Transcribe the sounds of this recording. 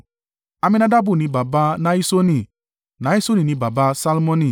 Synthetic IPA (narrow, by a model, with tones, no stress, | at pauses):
a˧mĩ˧na˧da˦bu˦˨nĩ˧˦ba˨ba˧˦na˦i˦so˦nĩ˦˨ | nã˨˦i˦so˦nĩ˦˨nĩ˧˦ba˨ba˧sa˧lmɔ̃˧nĩ˦˨